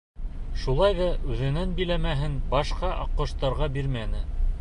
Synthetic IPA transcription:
ʃulˠɑjðɑʔʉðɘ̆nænbĭlæmæɦɘnbɑʃqɑʔɑqːɤ̆ʃt̪ɑɾʁɑbiɾmænɘ

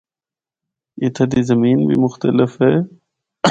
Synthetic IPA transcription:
it̪ʰɐd̪izɐmiːnbḭmʊxt̪əlɪfɦeː

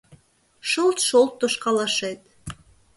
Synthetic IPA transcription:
ʃolˠt̪ʃolˠt̪ːoʃqɑlˠɑʃet̪

